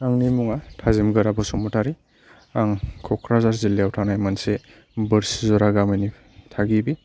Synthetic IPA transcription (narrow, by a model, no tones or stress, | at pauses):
aŋnimuŋatʰazimɡɯɾabɔsɔmɔtaɾi | aŋkʰɔkʰɾazaɾziliawtʰanajmanse | bɯɾsizɔɾaɡamajni | tʰaɡibi